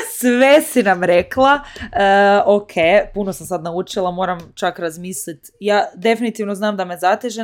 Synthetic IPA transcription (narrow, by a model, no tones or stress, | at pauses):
sʋesinamɾeklˠaəːokʰejpunosamsad̪naut͡ʃilˠamo̞ːɾamt͡ʃakɾazmiːslit̪ | jaːd̪e̞finit̪iʋno̞znaːmd̪amezat̪eʒe